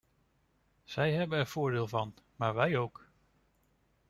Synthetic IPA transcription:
z̥ɛjɦɛbənɛɹv̥ʊːɹdeːlˠvɑn | maːɹʋɛjowk

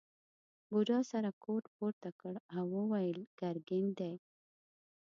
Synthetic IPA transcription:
ɡuɖɑsaɾakoʈpoɾt̪akəɽawəwajəlɡ̥aɾɡɪnd̪ej

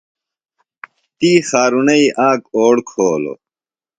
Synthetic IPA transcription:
t̪iːxaːɾunɐiʔãːkoːɽkʰoːlo̰

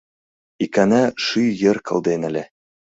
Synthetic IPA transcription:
ikænæʃɯjɘ̆rkʰɤ̆lˠd̪enæ̆lʲe

